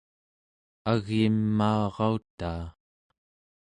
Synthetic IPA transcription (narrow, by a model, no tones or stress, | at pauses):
aɣjimːaːʁɑut̪aː